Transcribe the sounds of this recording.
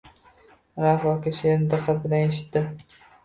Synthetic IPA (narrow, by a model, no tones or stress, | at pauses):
ɾafɒkʲɪʃend̪ɨqːabɪlaneʃɪ̥t̪ːɪ